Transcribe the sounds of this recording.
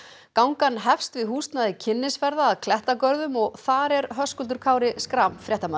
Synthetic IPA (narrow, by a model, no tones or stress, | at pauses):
kawŋkanːɦɛfst̪vɪðɦuːst̪naðɪcʰɪnːɪsfɛɾðaːðkʰlɛht̪akœɾðʏmɔɣθaɾɛɾɦœskʏlt̪ʏɾkʰaːwɾɪskɾamfɾjɛht̪ama